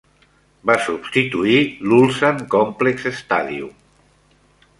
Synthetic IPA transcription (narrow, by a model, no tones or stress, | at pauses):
basubst̪it̪uilulˠsaŋkɔmplekzest̪aðiṵ